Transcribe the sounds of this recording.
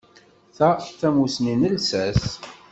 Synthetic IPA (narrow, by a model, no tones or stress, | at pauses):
θæθæmusninəlsæs